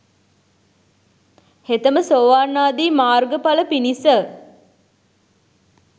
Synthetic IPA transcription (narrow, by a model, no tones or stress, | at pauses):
het̪əməsoːʋaːnːaːd̪iːmaːrɡəpaləpinisə